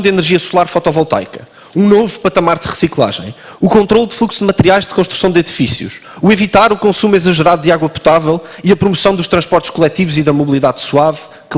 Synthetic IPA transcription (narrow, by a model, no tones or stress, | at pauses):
d̪inɨɾʒiɐsulˠaɾfɔt̪ɔvɔlˠt̪a̰jkɐ | ũnovupɐt̪ɐmaɾðʁɨsiklˠa̰ʒɐ̰̃j̃ | ukõnt̪ɾolˠd̪flˠuksu̥dmɐt̪ɨɾiajʒd̪kõʃt̪ɾusɐ̃w̃d̪iðifisjṵʃ | uevit̪aɾukõsumizɐʒɨɾaðud̪aɣwɐpu̥t̪avɛlˠ | iɐpɾumusɐ̃w̃d̪uʃt̪ɾɐ̃ʃpɔɾt̪ʃkulˠɛt̪ivuziðɐmuβlˠiðaðsuav | k